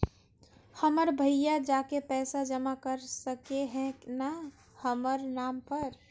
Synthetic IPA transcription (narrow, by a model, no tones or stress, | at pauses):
həməɾbʱəjjad͡ʒakepɛːsad͡ʒəmakəɾsəkeɦɛ̃na | həməɾnampəɾ